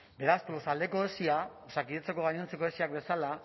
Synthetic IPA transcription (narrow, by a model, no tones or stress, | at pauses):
be̞ɾasplosald̪e̞ko̞esiaosakiðet͡se̞ko̞ɣaɲent͡se̞ko̞esiak̚be̞sala